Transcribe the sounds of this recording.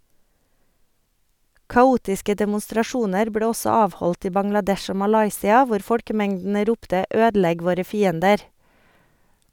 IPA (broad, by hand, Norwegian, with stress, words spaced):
kɑˈuːtɪskə dɛmʊstɾɑˈʃuːnəɾ ˈbleː ˈɔsɔ ˈɑːʋhɔlt ˈiː bɑŋlɑˈdɛʃ ˈoː mɑˈlɑɪsɪɑ ˈʋʊɾ ˈfɔlkəˌmɛŋdn̩ə ˈɾuːptə ˈøːdl̩ˌɛɡ ˈʋoːɾə ˈfiːəndəɾ